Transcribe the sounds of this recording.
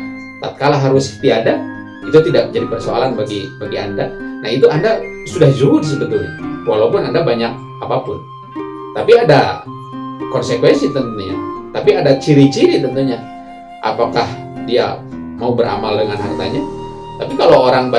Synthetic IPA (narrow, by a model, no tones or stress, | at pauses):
t̪at̪̚kalaɦaɾʊst̪iada | it̪ut̪idak̚d͡ʒadipərsoa̰lanbaɡibaɡiandanahit̪uandasudahd͡ʒudis̬ib̪ət̪uɲawalaupʊnandabaɲak̚ | apapʊn | t̪apiada | kɔnsekwɛnsit̪ənt̪uɲa̰t̪apiadat͡ʃiɾit͡ʃiɾit̪ənt̪uɲa | ʔa̰pakah | dia̰maubəɾa̰maldəŋanɦart̪a̰ɲa | t̪apikalowoɾaŋba